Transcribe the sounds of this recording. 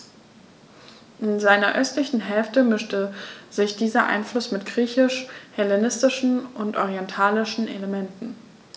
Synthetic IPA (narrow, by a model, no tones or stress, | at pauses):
ʔɪnzaɪnɐʔœstlɪçn̩ɦɛlftəmɪʃtəzɪçd̥iːzɐʔa̰ɪnflʊsmɪtɡ̥ʁiːçɪʃhɛlenɪstɪʃn̩ʔʊntʔɔʁiɛntʰaːlɪʃn̩ʔḛləmɛntn̩